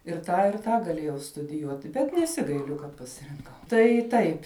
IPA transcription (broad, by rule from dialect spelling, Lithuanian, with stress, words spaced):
ɪr ˈtɑː ɪr ˈtɑː ɡɐˈlʲeːjɛʊ stʊdʲɪˈjuɔtʲɪ bʲɛt nʲɛˈsʲɪɡɐɪlʲʊ kɐt pɐsʲɪrʲɪŋˈkɐʊ tɐɪ ˈtɐɪp